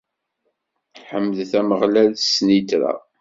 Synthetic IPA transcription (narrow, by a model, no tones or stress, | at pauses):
ħəmːðθæməʁlælsnit̪ɾa̰